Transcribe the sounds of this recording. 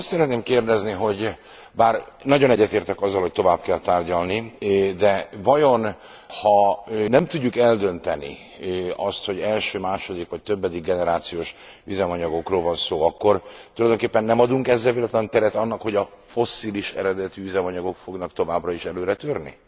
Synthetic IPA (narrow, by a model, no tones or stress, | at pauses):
st̪sɛɾɛt̪neːmkeːrd̪ɛzniɦo̞ɟ | baːrnɒɟonɛɟːɛt̪eːrt̪ɛkɒzːɒlho̞ct̪o̞vaːb̚kɛlt̪aːrɟɒlnid̪ɛvɒjo̞n | hɒnɛmt̪uɟːukɛld̪ø̞nt̪ɛnḭ | ɒst̪ho̞ɟɛlʃøːmaːʃo̞d̪ikʋɒc̚t̪øbːɛd̪iɡːɛnɛɾaːt̪sijoːʃ | izɛmɒɲɒɡo̞kroːlvɒnsoːɒkːo̞rt̪ulɒjd̪oŋkeːpːɛnːɛmɒd̪uŋkɛzːɛlveːlɛt̪lɛnt̪ɛɾɛt̪ɒnːɒkho̞ɟɒ | fo̞sːiːliʃɛ̰ɾɛd̪ɛt̪iyzɛmɒɲɒɡo̞kfo̞ɡnɒkt̪o̞vaːbrɒiʃɛløːɾɛt̪ørnḭ